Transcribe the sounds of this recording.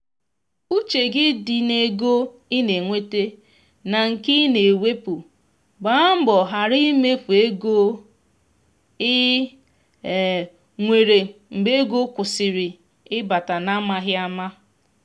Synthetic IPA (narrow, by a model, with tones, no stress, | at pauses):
u˦t͡ʃe˨ɡɪ˦dɪ˨ne˦ɡo˦ | ɪ˦ne˨ŋʷe˦te˦ | na˨ŋ̩˨kɪ˦ne˨we˦pu˨ | ɡ͡ba˨˦m̩˦bɔ˨ɦa˨ɾi˦me˦fu˨e˦ɡo˦ | ɪ˦˨ | ŋʷe˨ɾe˨ŋ͡m̩˨ɡ͡be˦ɡo˦kʷʊ˨sɪ˨ɾɪ˨ | ɪ˦ba˨ta˨na˦ma˦ɦɪ˦a˦ma˦